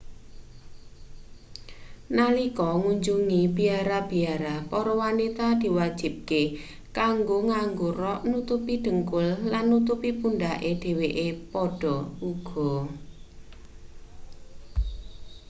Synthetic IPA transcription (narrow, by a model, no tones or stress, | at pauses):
nalikɔŋuɲd͡ʒuŋib̥i̤aɾab̥i̤aɾapɔɾɔwanit̪ad̪̥i̤wad̥d͡ʒ̥i̤b̚ke | kaŋɡoŋaŋɡoɾɔʔnut̪upiɖ̪̥ə̤ŋkʊllanːut̪̬upipunɖaʔed̪̥e̤weʔepɔɖ̥ɔ̤uɡ̥ɔ̤